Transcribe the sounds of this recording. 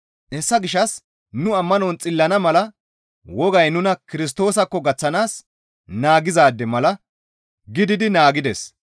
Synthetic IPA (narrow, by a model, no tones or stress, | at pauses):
ʔɛsːɐɡɪʃɐs | nʊɐmːɐnɔnt͡sʼɪlːɐnɐmɐlɐ | wɔɡɐjnʊnɐkɪɾɪs̬t̪o̞ːsɐkːɔɡɐt͡sːɐnaːs | naːɡɪzaːd̪ːɛmɐlɐ | ɡɪd̪ɪd̪ɪnaːɡɪd̪ɛs